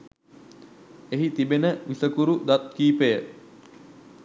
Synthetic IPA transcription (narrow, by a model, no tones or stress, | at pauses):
eɦit̪ibenəʋisəkuɾud̪at̪kiːpəjə